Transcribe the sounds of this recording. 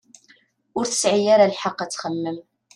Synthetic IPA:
ʊɾθə̥sʕijaɾalħɑqːæt͡sːχəlːəm

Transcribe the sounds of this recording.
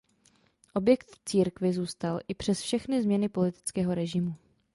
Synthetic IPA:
ʔo̞bjɛkt̪t͡siːɾkvɪzuːst̪alʔɪpr̥ɛsfʃɛxnɪzmɲɛnɪpo̞lɪt̪ɪ̥t͡skɛːɦo̞ɾɛʒɪmu

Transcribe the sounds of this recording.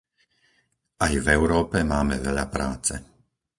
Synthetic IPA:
ʔajvɛʊɾɔːpɛmaːmɛʋɛʎapɾaːt͡sɛ

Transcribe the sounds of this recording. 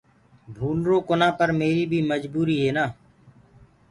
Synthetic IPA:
bʱuːnɾoːkonãːpəɾmeːɾiːbʱiːməd͡ʒbuːɾiːɦeːnaː

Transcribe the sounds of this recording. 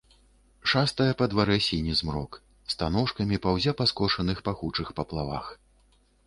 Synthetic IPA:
ʂast̪ɐjɐpɐd̪vaɾɛsʲinʲizmɾɔ̰k | st̪anɔʂkɐmʲipawzʲapaskɔʂɐnɨxpaxut͡ʂɨxpɐplˠava̰x

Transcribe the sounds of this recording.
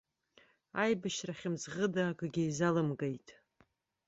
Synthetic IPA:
ajbɨʃraχʲɪmzʁədaːkʷʼɡʲɪizalɨmɡajtʼ

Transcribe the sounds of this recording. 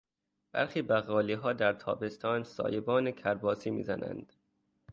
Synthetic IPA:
b̥æ̰ɾxiːbæɣɒːliːɦɒːd̪æɾt̪ʰɒ̰ːbe̞st̪ʰɒːnsɒ̰ːjebɒːnecʰæɾbɒːsiːmḭːzæ̰næ̰nd̪̥

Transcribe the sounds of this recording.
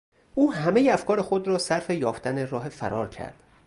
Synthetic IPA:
ʔuːhæmejeæfkʰɒːɾexo̞d̪ɾɒːsæɾfejɒːft̪ænerɒːɦe̞fæ̰ɾɒːɾcʰæ̰ɾd̪̥

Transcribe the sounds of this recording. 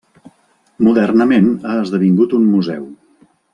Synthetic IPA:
muðərnəmenaəzðəβiŋɡut̪ummuzɛ̰w

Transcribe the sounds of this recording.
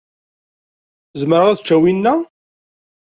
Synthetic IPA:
zmɾəʁæðt͡ʃːæwinːæ

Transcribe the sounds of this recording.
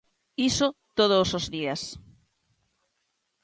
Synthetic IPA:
isot̪oð̞osozðias

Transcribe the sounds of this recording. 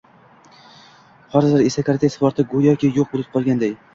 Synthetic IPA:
hɒɾzaɾesakʰaɾt̪ʰesvɒɾt̪ʰɪɡojɒkʲʰɪjoq̚bolˠɪp̚qʰɒlˠɡʲand̪aj

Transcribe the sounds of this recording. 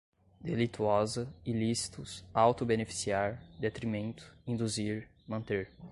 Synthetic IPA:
d̪elit̪uɔzɐilisi̥t̪ʊsawt̪ʊbenefi̥siaɾd̪et̪ɾimẽnt̪ʊ̥ĩnd̪uziɾ | mɐ̃nt̪eɾ

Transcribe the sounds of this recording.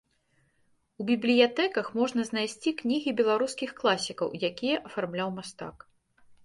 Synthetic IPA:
ubʲiblʲijat̪ɛkɐxmɔʐnɐznajsʲt͡sʲiknʲiɣʲibʲɛlˠaɾuskʲixklˠasʲikɐ̰wjakʲijɛʔɐfarmlʲawmast̪a̰k

